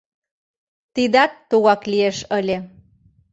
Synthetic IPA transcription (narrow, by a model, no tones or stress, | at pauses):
t̪id̪ɑt̪t̪uɣɑklieʃəlʲe